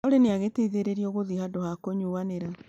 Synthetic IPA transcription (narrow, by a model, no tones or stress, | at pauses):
oɾeneaɣeteiðeɾeɾiɔɣoðihadohakoɲuaneɾa